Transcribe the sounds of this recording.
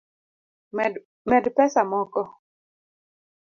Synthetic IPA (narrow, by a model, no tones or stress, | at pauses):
mɛdpɛsamɔkɔ